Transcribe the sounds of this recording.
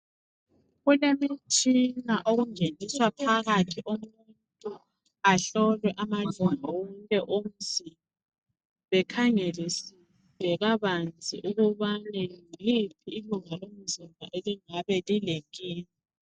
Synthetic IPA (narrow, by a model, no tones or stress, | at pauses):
ɣulemit͡ʃʼinaʔoɣuŋeniswapʰaɣatʰiʔumuntʼu | aɬɔlwɛʔamaluŋawɔŋkʼɛʔom̩zim | a | βɛkʰaŋelisi | βɛɣaβand͡zʱʼḭʔuɣuβanɛlipʰiːluŋalom̩zimaʔeliŋaβɛlileŋkʼiːni